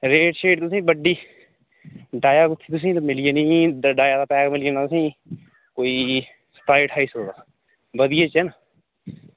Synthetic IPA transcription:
ɾeːʈʃeːʈt̪ʊsĩːbəɖiː | ɖaːjaːkʊt̪ʰːiːt̪ʊs̬ĩːt̪ːmɪlieːnĩːɖaːjaːd̪aːpɛːkmɪlijeːnat̪ʊsĩː | koːiː | sə̥t̪aːɪʈʰaːiːsod̪aː | ʋəd̪ɪjeːt͡ʃɛna

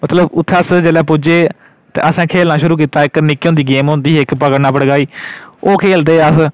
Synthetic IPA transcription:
mət̪ləbʊt̪ʰːəsd͡ʒeːleːpʊd͡ʒeː | t̪ḛːʔəsɛ̃ːkʰeːlnaːʃʊɾuːk̬iːt̪aːɪknɪkːõːnd̪iːɡeːmɦõnd̪iːɪkpəkəɽnaːpəɽɡaːiːoːkʰeːld̪eːəs

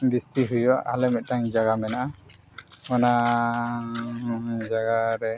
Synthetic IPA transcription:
bistiɦujɔa̰ʔalɛmɛt̪̚taŋd͡ʒaɡamɛnaʔa | mɔna | d͡ʒaɡaɾɛ

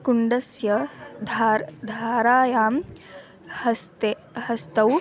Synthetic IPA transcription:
kuɳɖɐsjɐd̪ʱaɾd̪ʱaːɾaːjaːm | hɐst̪e | hɐst̪ɐw

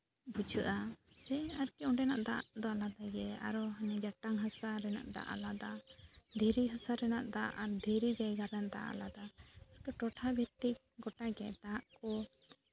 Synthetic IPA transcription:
bud͡ʒʰəʔasɛaɾkɛɔɖɛnaʔd̪a̰ʔʔd̪ɔalad̪aɡɛa̰ɾɔɦanɛd͡ʒaʈaŋɦasaɾɛna̰ʔd̪a̰ʔa̰lad̪ad̪ʱiɾiɦasaɾɛnaʔd̪aʔaɾd̪ʱiɾid͡ʒajɡaɾɛnd̪a̰ʔa̰lad̪aʈɔʈɔʈʰabʱit̪i | ɡɔʈaɡɛd̪aaʔkɔ

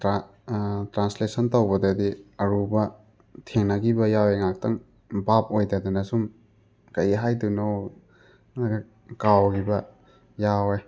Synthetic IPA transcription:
tɾanslesɐntɐwbɐdɐdiɐɾubɐ | tʰeŋnɐɡibɐjaweŋak̚tɐŋ | bap̚ojdɐdɐnɐsum | kɐjɦajduno | ɡ | kawɡibɐ | jawej

